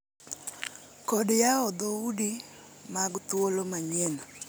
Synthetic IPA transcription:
kɔdjaɔd̪oudi | maɡt̪wolomaɲɛna

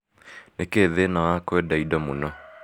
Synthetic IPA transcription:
nekeːðenawakwɛdaidɔmonɔ

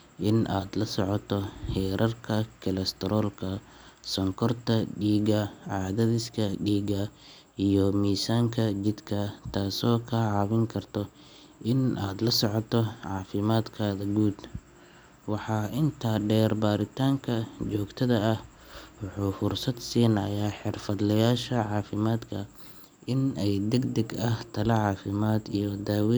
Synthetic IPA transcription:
ʔɪnʔaːd̪lɐsɔʕɔt̪ʰɔhɛːɾɐrkʰɐkʰɐlɐst̪ʰɛɾɔːlkʰɐ | sɔŋkʰɔrt̪ʰɐɖiːɡɐʕɑːðɐðɪskʰɐɖiːɡɐ | ijɔmiːsaːŋkʰɐt͡ʃɪd̪kʰɐt̪ʰaːsɔːkʰɐʕɑːβɪŋkʰɐrt̪ʰɔ | ʔɪnʔa̰ːd̪lɐsɔʕɔt̪ʰɔʕɑːfɪmaːd̪kʰaːðɐɡuːd̪ | wɑħɑːʔɪnt̪ʰaːɖɛːrbaːɾɪt̪ʰaːŋkʰɐt͡ʃɔːɡt̪ʰɐðɐːh | wɑħuːfʊrsɐd̪siːnɐjaːħɪrfɐd̪lɐjaːʃɐʕɑːfɪmaːd̪kʰɐ | ʔɪnɛjd̪ɛɡd̪ɛɡɐht̪ʰɐlɐʕɑːfɪmaːd̪ijɔd̪aːwi

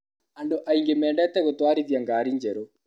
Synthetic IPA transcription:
andoʔaiŋɡemɛːɳɖɛːt̪ɛɣot̪waːɾiðjaŋɡaːɾiɲd͡ʒɛɾo

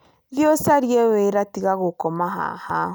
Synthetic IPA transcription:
ðjɔsaɾjɛweɾatiɣaɣokɔmaɦa̰ha

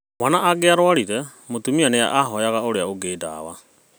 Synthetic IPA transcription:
wanaʔaɡeaɾwaɾiɾɛ | motumianea̰ʔaɦɔjaɣaoɾeaoɡeːda̰ːwa

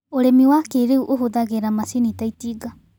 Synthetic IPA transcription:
oɾemiwakeɾeuʔoɦoðaɣeɾamasinitaitiːɡa

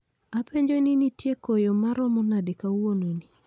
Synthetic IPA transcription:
apeɲd͡ʒoninitjekojɔmaɾɔmɔnadekawononi

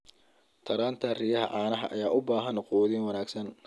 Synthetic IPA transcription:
t̪ʰɐɾaːnt̪ʰɐrijɐɦɐ̰ʕaːnɐɦɐʔɐ̰jaːʔʊbaːɦɐnquːðinwɑnaːɡsɐn

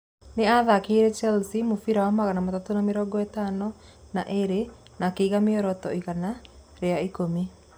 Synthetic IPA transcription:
neaðakeiɾɛt͡ʃɛlsimofiɾawamaɣanamatatonameɾɔɡɔɛtanɔ | naʔeɾe | nakeiɣameɔɾɔtɔiɣana | ɾeaikomi

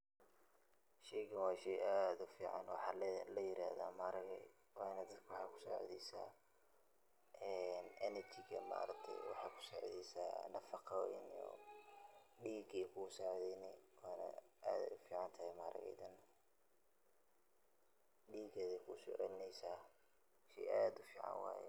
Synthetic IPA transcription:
ʃɛjɡɐwɑːʃɛjaːd̪ʊfiːʕɑ̰nwɑħɑːllɐjɪɾa̰ːða̰ːmaɾɐɣɛ | wɑnɐd̪ɐd̪kʰwħɑːkʰʊ̥sɔʕɔ̰ðɛjsa̰ː | ʔɛnʔɛnɛrt͡ʃɪɡɐ̰ma̰ːɾɐk̚t̪ʰɛ̰jwɑ̰ħɑːkʰʊ̥sɔʕðɛsa̰ːnɐfɑqʰɑ̰nɔ̰ | ɖiːɡɛjkʰʊsaʕðɛjnɛwaːnɐ̰ʔaːd̪ɛ̰ʊfiːʕɑnt̪ʰɐhɛmaːɾɐ̰ɣɛ̰jd̪ɐn | ɖiːɡɛːðɛjkʰʊsɔʕnɛjsaː | ʃɛaːd̪ʊfiːʕɑ̰nwɑ̰ːjɛ̰

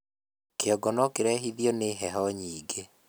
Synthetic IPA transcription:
keɔɡɔnɔkeɾɛɦiðjɔneɦɛɦɔɲiːɡe

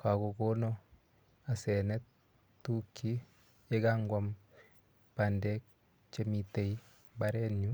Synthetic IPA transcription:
kʰakokonɔ | asɛnɛt | tːukʰːi | eɡaŋɡwam | pandek̚ | t͡ʃemitei | baɾɛnɲu

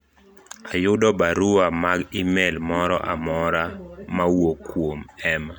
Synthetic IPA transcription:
ajʊdɔbaɾuamaɡimelmɔɾɔ̰ʔa̰mɔɾamawokwomɛma

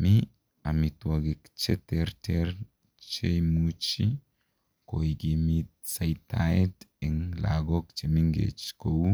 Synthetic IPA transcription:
mi | amitwaɡikt͡ʃetɛɾteɾ | t͡ʃejmut͡ʃi | koiɡimitsajtaɛdɛŋla̰ɡɔkt͡ʃemiŋɡḛt͡ʃkowu

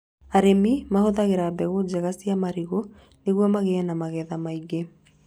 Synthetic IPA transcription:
aɾemimahoðaɣeɾabɛɣod͡ʑɛɣasiamaɾiɣo | neɣwɔmaɣeɛnamaɣɛðamaiɡe

